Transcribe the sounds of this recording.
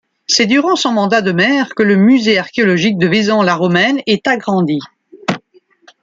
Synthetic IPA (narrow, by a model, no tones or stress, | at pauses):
sɛd̪yʁɑ̃sɔ̃mɑ̃d̪ad̪əmɛʁkələmyzeaʁkʲeɔlɔʒik̚d̪əvizɔ̃laʁɔmɛnɛt̪aɡʁɑ̃d̪i